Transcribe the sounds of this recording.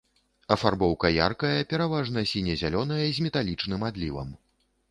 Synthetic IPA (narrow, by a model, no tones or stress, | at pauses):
ɐfarbɔwkɐja̰rkɐjɐpʲɛɾavaʐnɐsʲinʲɛzʲalʲɔnɐjɐzʲmʲɛt̪alʲit͡ʂnɨmad̪lʲivɐ̰m